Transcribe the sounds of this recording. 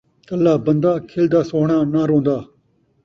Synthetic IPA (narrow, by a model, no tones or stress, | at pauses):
t̪əlːaːbənd̪aːkʰɪld̪aːsoːɳ̃aːnaːɾõːnd̪aː